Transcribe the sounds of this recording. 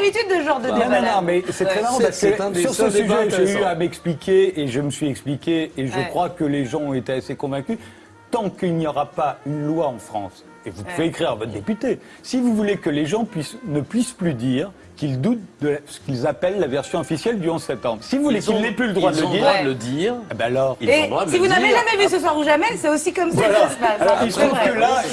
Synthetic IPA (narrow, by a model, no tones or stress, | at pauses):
vit̪yd̪ːəʒɑ̃ʁd̪əñnɔ̃nɔ̃mɛsɛt̪χɛmaʁɑ̃paskəsyʁsəsyʒɛʒeyamɛksplikʰʲeeʒəməsɥiɛksplikʲeːʒəkχwakəleʒɑ̃ɔ̃et̪easekɔ̃vɛ̃kʲy | t̪ɑ̃kilnijɔʁapaynlwaɑ̃fχɑ̰̃s | evupuveːkχiʁavɔt̪χd̪epyt̪e | sivuvulekəleʒɑ̃pɥisnəpɥisplyd̪iʁ | kild̪ut̪̚d̪əsə̥kʲilzapɛlːavɛʁsjɔ̃ɔfisjɛld̪yɔ̃zsɛp̚t̪ɑ̃bʁsivuvulekilnɛplyləd̪ʁwad̪ələd̪iʁad̪ləd̪iːʁbalɔʁied̪asivunaveʒamɛmes̬əswaʁuʒamɛsɛosikɔmsalɔalɔʁilsɔ̃kəla